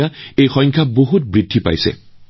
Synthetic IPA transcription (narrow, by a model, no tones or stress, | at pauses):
aejxɔ̃jŋkʰaboɦut̚bɹidʱːipa̰jsɛ̰